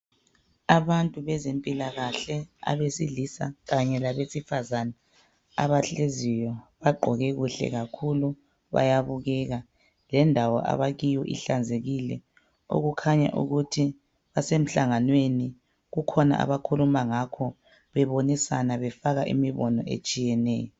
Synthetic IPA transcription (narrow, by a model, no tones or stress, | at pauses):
aβantʼuβɛzempʼilaɣaɬɛa̰βesiɮisa̰ɣaɲɛlaβesifazana | a̰βaɬezijɔβaɡ͡ǃʱɔɣɛɣuɬɛ̰ɣakʰulu | βa̰jaβuɣɛɣa | lɛndʱawɔ̰ʔa̰βaɣijɔʔḭɬand͡zʱeɣilɛ | o̰ɣukʰaɲa̰ʔṵɣutʰi | βasem̩ɬaŋanweni | ɣukʰɔna̰ʔa̰βakʰulumaŋakʰɔ | βɛβonisanaβɛfaɣaʔḭmiβɔnɔ̰ʔḛt͡ʃʼijɛnɛ̰ːjɔ